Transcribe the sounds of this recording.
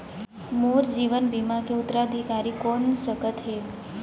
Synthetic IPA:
muɾd͡ʒiʋənbimakeʊt̪ːɾaəd̪ʱikaɾikonsəkət̪ɦe

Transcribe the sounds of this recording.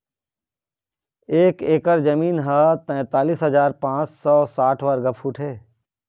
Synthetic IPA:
eːkeːkəɾd͡ʒɐmiːnɦɐt̪ɛ̃ːt̪aːliːsɦɐzaːɾpãːt͡ʃsɔːsaːʈʰʋaːɾɡɐpʰuːʈʰɦeː

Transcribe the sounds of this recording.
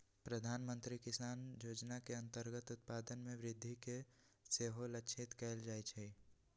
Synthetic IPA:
pɾəd̪ʱaːnmə̃nt̪ɾikɪsaːnjoːd͡ʒnakeə̃nt̪əɾɡət̪ʊt̪̚paːd̪ənmẽʋɾɪd̪ʱːike | seːɦoləkt͡ʃʰɪt̪kɛːld͡ʒaːit͡ʃʰɛ

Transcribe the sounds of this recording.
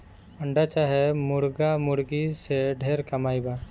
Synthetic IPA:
əɳɖat͡ʃaɦɛmuɾɡamuɾɡisɛɖʱeɾkamajba

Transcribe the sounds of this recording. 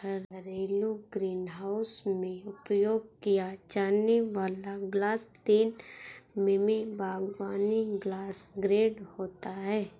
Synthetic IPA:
əɾɾeːluɡɾiːnɦaːʊsmẽʊpjoːɡ̚kijad͡ʒaːneʋaːlaɡlaːst̪iːn | mɪmibʱaːɡʋaːniɡlaːsɡɾeːɖhoːt̪aɦɛː

